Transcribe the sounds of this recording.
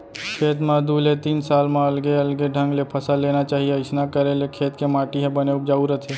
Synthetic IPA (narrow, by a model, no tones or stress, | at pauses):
kʰeːt̪mãd̪uːlet̪iːnsaːlmãɐlɡeɐlɡeɖʱə̃ŋɡlepʰɐsaleːnat͡ʃaːɦieɪsnakəɾẽlekʰeːt̪kemaːʈiɦɛ̃bəneʊk̚d͡ʒaːuɾət̪ʰe